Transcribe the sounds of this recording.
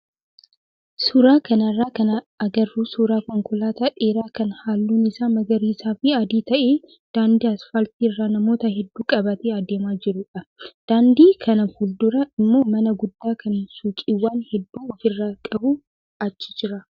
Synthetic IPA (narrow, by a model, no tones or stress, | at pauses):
sʊɾaːkɐnɐrːaːkɐnɐ | ɐɡɐrːuːsuːɾaːkɔŋkʊlaːt̪ɐᶑeːɾaːkɐnhaːlːuːnɪsaːmɐɡɐɾiːsaːfɪɐd̪iːt̪ɐʔeː | d̪̥aːnd̪iːɐsfɐlt̪iːɪrːanɐmo̞ːt̪ɐɦɛd̪ːuːkʼɐbɐt̪eːɐd̪eːmaːd͡ʒɪɾʊᶑɐd̪̥aːnd̪iːkʰɐnɐfuld̪ʊɾɐɪmːo̞ːmɐnɐɡʊd̪ːaːkɐnsuːkʼiwːaːnhɛd̪ːuːɔfɪrːakʼɐbʊ | ɐt͡ʃːɪ̥d͡ʒɪɾɐ